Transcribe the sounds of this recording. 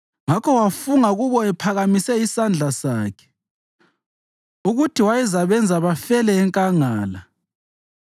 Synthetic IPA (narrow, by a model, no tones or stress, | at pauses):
ŋakʰɔwafuŋaɣuβɔɛpʰaɣamisɛisand͡ɮʱasaːkʰɛ̥ | uɣutʰiwajizaβɛnd͡zʱaβafɛlɛːŋkʼaŋaːla